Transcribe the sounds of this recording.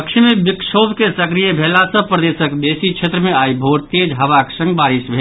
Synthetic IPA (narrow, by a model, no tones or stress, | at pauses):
əkʃʰimebiksobʱkesəkɾijəbʱelasə̃pɾəd̪esəkd̪esit͡ʃʰet̪ɾəmeaibʱoɽt̪ed͡ʒɦəʋaksə̃ŋɡbaɾisbʱe